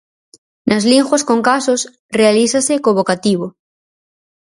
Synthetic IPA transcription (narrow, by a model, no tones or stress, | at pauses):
nazliŋʝwaskoŋkasos | realiθasekoβokat̪iβ̞o